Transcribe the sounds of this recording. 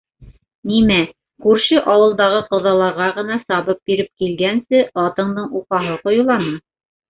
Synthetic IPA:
nimæ | kʉɾʃɘʔɑwɤ̆lˠd̪ɑʁɤqɤ̆ðɑlˠɑɾʁɑʁɤ̆nɑsɑβɤp̚biɾɘp̚kilɡænsɘɑt̪ɤ̆ɴd̪ɤɴuqɑɦɤqŏjulˠɑnɤ

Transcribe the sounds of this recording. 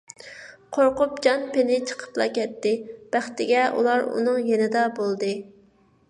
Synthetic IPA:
qʰoɾqʊp̚d͡ʒɑnpenɪt͡ʃʰə̥qʰə̥plˠɑ̰kʲʰɛt̪ːɪb̥æχt̪ɪɡʲɛṵlˠɑɾṵnɨŋjenɪd̪ɑbolˠd̪ɨ

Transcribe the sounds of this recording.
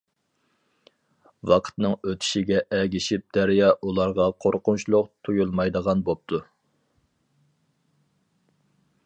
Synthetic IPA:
wɑqʰə̥t̪nɨŋøt̪ʰi̥ʃiɡʲɛʔɛɡʲiʃip̚d̪̥æɾijɑʔulˠɑɾʁɑqʰoɾqʊnt͡ʃlˠʊqt̪ʰujulˠmɑjd̪əʁɑnbop̚t̪ʰu

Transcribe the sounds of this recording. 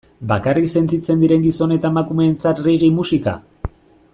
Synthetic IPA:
bakarikse̞nt͡sit͡se̞nd̪iɾe̞ŋɡiso̞ne̞t̪amakume̞ːnt͡sat̪riɣ̞imusika̰

